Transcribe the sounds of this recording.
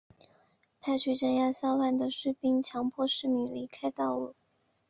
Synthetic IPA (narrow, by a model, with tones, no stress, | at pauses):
pʰa˥˩ɪt͡ɕʰy˥˩ʈ͡ʂə˥˧nja˥˩sa˥wa˥˩nd̪ə˩ʂɻ̩˥˩pi˥ŋt͡ɕʰjɑ˧˥ŋpʰwɔ˥˧ʂɻ̩˥˩mi˧˥ŋli˧˥kʰa˥ɪt̪ɑ˥˩ʊlu˥˩˦